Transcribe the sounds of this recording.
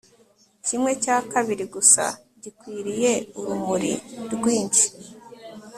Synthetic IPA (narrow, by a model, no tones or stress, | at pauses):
cimŋe̞caːkaβiɾiɡusa̰ | ɟikwiːɾije̞uɾumuɾḭɾɡwiːɲt͡ʃi̥